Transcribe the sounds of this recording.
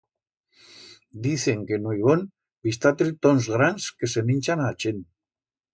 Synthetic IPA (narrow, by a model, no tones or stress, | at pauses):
d̪iθeŋkenojβon | bist̪at̪ɾit̪onzɣɾanskesemint͡ʃanaːt͡ʃen